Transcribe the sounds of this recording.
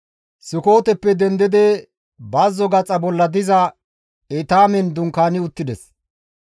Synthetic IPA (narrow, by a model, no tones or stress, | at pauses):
sɪko̞ːt̪ɛpːɛd̪ɛnd̪ɪd̪ɛ | baːzːɔɡɐt͡sʼːɐbɔlːɐd̪ɪzɐ | ɛt̪aːmɛnd̪ʊŋkaːnɪʊt̪ːɪd̪ɛs